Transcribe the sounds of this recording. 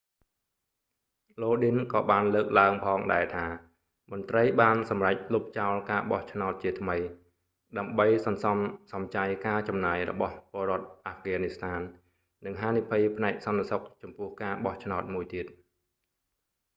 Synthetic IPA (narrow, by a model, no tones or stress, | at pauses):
loːɗinkɑːɓaːnləːk̚laəŋpʰɑːŋɗaɛt̪ʰaː | mŏnt̪rəjɓaːnsɑmrac̚lup̚t͡ɕaɔlkaːɓɑht͡ɕʰnaɔt̪̚t͡ɕiət̪ʰməj | ɗaəmɓəjsɑnsɑmsɑmt͡ɕajkaːt͡ɕɑmnaːjrɔ̰ɓɑhpŏəlroɔ̆ət̪̚ʔaːfɡaːnist̪ʰaːn | nɨŋɦaːnipʰijpʰnaɛk̚sɑnt̪esok̚t͡ɕɑmpʊ̆əhkaːɓɑht͡ɕʰnaɔt̪̚muəjt̪iət̪̚